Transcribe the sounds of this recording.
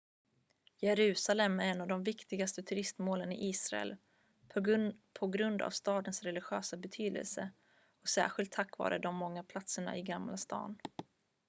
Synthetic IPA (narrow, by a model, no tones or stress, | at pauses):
jɛɾʉ̟ːsalɛmːæɾɛnːavd̪ɔmvɪkt̪ɪɡast̪ət̪ʰɵɾɪst̪moːlənɪ̰ʔiːsɾaɛ̰l | pʰpʰɔɡɾɵnd̪a̰vst̪ɑːd̪ənsɾɛlɪɧøːsabɛt̪ʰyːd̪ə̰lsə | ɔsæ̰ːɧɪlt̪ʰːakːvɑ̰ːɾəd̪ɔmːɔŋːapʰlat̪səɳa̰ʔɪɡamlast̪ɑ̰ːn